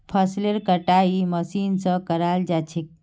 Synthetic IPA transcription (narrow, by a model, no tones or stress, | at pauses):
pʰəsleɾkəʈaiməsinsə̃kəɾald͡ʒat͡ʃʰik̚